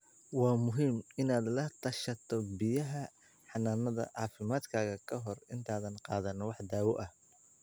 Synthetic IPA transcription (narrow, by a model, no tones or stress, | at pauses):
wɑːmʊɦiːmɪnaːd̪lɐt̪ʰɐʃɐt̪ʰɔbɪjɐɦɐ | ħɑnaːnɐðɐ̰ʕɑːfɪmaːd̪kʰaːɣɐkʰɐɦɔrɪnt̪ʰaːðɐnqɑːðɐnwɑħd̪aːwɔʔɐh